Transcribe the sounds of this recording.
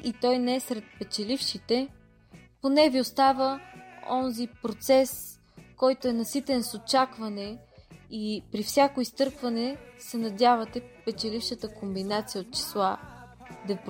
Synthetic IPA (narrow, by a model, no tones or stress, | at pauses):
it̪ɔjnɛɛsɾɛt̪̚pɛt͡ʃɛlifʃit̪ɛ | ponɛviost̪avəɔnzipɾot̪sɛs | kɔjt̪oɛnɐsit̪ɛnsot͡ʃakvɐnɛ | ipɾifsʲakoist̪ɤɾkvɐnɛsɛnɐd̪ʲjavɐt̪ɛpɛt͡ʃɛlifʃət̪əkombinat̪sijəot̪̚t͡ʃi̥slˠa | d̪ɐp